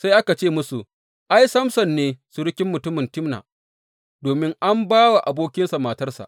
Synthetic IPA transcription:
sa˦jʔa˦ka˨t͡ʃeː˦˨mʊ˦su˨ | ʔa˦jsɐ˦msɐ˨nːeː˦su˨ɽʊ˦kʲɪ˦mːʊ˨tʊ˦mɪ˨ntɪ˦mna̰ː˨ | doː˨mɪ˦ŋʔa˦mbaː˦wa˨ʔa˨boː˦kʲɪ˦nsa˨maː˦tɐ˦rsa̰˨ʔ

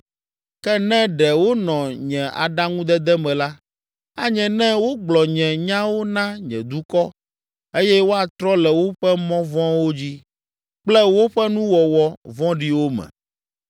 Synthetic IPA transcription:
kɛ˦nɛ̃˦ɖɛ˨wo˦nɔ̃˨ɲɛ̃˨ʔa̰˨ɖa˦ŋũ˦d̪ɛ˦d̪ɛ˦mɛ̃˨la˦ | a˦ɲɛ̃˨nɛ̃˦wo˦ɡ͡blɔ˨ɲɛ̃˨ɲã˦wo˦nã˦ɲɛ̰̃˨d̪u˦kɔ˦ | e˦jɛ˦wo˦a˨t̪ɾɔ˦lɛ˨wo˦ɸɛ˦mɔ̃˦vɔ̃˦wo˦d͡ʑi˦ | k͡plɛ˦wo˦ɸɛ˦nũ˦wɔ˨wɔ˨vɔ̃˦ɖi˦wo˦mɛ̰̃˨

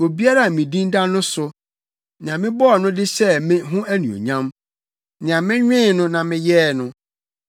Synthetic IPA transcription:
o˨bi˦a˦ɾa˦˨mĩ˨dĩ˦nda˦nʊ̃˦sʊ˨ | n˨ã˨mɪ̃˦bɔ˦˨nʊ̃˦dɪ˦sɛ˦mɪ̃˦ɦʊ̃˦æ˦nṵ̃˨o̰˨ɲã˦m | nɪ̃˨ã˨mɪ̃˦ɲᶣɪ̃˦˨nʊ̃˦nã˨mɪ̃˦jɛː˦˨nʊ̃˨

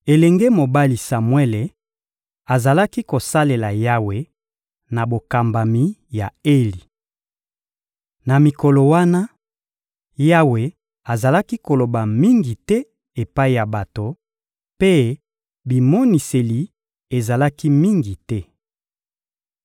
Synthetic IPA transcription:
e˨lɛ˨ŋɡe˦mo˨ba˦li˨sa˨mwe˦le˨ | a˨za˨la˦ki˦ko˨sa˦le˨la˨ja˦we˨ | na˨bo˨ka˨mba˨mi˨˦ja̰˨e˦li˨ | na˨mi˨ko˨lo˨wa˦na˦ | ja˦we˨ | a˨za˨la˦ki˦ko˨lo˨ba˨mi˦ŋɡi˨tɛ˦ | e˨pa˦i˨ja˨ba˨to˨ | pe˦ | bi˨mɔ˦ni˨se˨li˨ | e˨za˨la˦ki˦mi˦ŋɡi˨tɛ˦

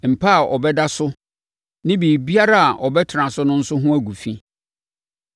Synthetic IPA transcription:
m̩˨pʰa˦a˨ʔɔ˨bɛ˦da˦sʊ˦ | nɪ̃˦bi˨bi˦a˦ɾa˦a˨ʔɔ˨bɛ˦tʰɪ˨ɾã˨sʊ˦nʊ̃˦n̩˦sʊ˦ɦʊ̃˦æ˦ɡu˨fĩ˦

